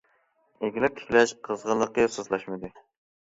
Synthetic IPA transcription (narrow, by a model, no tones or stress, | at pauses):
eɡʲilɪp̚t̪ʰɪ̥kʲlɛʃqʰəzʁəlˠəqəsozlˠɑʃmɨd̪ɨ